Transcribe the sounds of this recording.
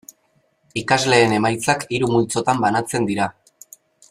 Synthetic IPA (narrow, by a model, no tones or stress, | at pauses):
ikazle̞ːne̞majt͡sakiɾumult͡so̞t̪ambanat͡se̞nd̪iɾa